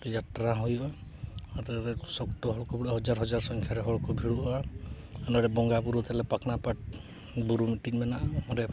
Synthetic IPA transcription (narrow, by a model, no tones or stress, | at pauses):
t̪d͡ʒaʈɾaɦɔjɔat̪ɾesɔktɔɦɔɭɔkɔbʱiɽɔɦɔd͡ʒaɾɦɔd͡ʒaɾsɔŋkʰjaɾɛɦɔɭɔkɔbʱiɽuʔɔ | anɔɾɛbɔŋɡapuɾut̪alɛpaknapaʈ̚ | buɾumiʈinmɛnaʔɔɔɾe